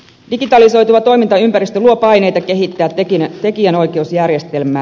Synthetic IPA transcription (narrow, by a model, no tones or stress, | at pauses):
diɡit̪ɑliso̞jt̪uʋɑt̪o̞jmint̪ɑympæɾist̪øluopɑjne̞jt̪ɑke̞ɦit̪ːæːtkint̪e̞kiæno̞jke̞usjærjest̪e̞lmˑæː